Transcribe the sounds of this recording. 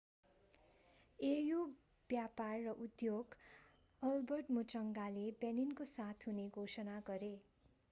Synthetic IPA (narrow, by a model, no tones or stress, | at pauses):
ejo | b̥japarːʌʔud̪joɡ | ʌlbʌrʈmut͡sʌŋɡalebjaninkosat̪ʰɦuneɡʱosʌnaɡʌɾe